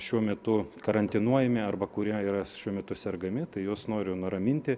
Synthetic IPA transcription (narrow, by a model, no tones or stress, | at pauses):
ʃʲuɔmʲɛt̪ʊkɐɾɐnʲt̪ʲɪnuɔjɛmʲɪɐrbɐkʊɾʲiɛiːɾɐʃʲuɔmʲɛt̪ʊsʲɛrɡɐmʲɪt̪ɐɪjoːsnoːɾʲʊnʊɾɐmʲɪnʲt̪ʲɪ